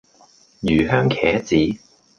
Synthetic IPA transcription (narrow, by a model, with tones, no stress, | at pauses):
jyː˨˩ɦœː˥ŋkʰɛ̰ː˨˥t͡siː˨˥